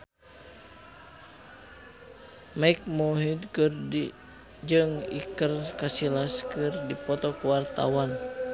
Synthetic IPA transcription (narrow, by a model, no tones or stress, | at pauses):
maik̚mɔɦid̪̚kɨrdi | d͡ʒɨŋḭkərkasilaskɨrdipɔt̪ɔkuwart̪a̰wan